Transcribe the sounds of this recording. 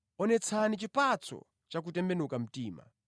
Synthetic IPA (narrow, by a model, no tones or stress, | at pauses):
ɔnɛt͡sʰanit͡ʃipat͡sʰɔ̰ | t͡ʃak̬utɛmbɛnukam̩tiːma̰